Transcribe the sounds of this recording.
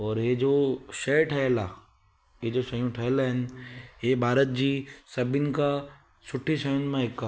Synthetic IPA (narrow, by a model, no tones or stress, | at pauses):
ɔːɾɦed͡ʑoːʃɐjʈʰɐɦelaː | ɦed͡ʑoːʃɐjũʈʰɐɦelaɦɪnɪ̆ɦebʱaːɾət̪̚d͡ʑiːsɐbʱɪnɪ̆ka | sʊʈʰiʃɐjʊn̆mãɦɪkːa